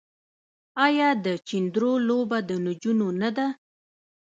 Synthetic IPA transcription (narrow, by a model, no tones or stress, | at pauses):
ɑjɑd̪ət͡ʃind̪ɾolobad̪ənʊd͡ʒunonad̪a